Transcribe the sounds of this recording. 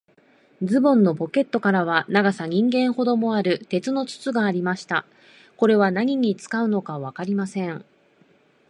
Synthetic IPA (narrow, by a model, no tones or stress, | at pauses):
d͡zɨbõ̞nːo̞po̞ke̞t̪ːo̞kaɾaβ̞anaɡasaɲ̟ĩŋɡẽ̞ɰ̃ho̞d̪o̞mo̞aɾɯ̟t̪e̞t͡sɨno̞t͡sɨ̥t͡sɨɡaːɾʲimaɕi̥t̪a | ko̞ɾe̞β̞anaɲ̟iɲ̟it͡sɨ̥kaɯ̟no̞kaβ̞akaɾʲimasẽ̞ɴ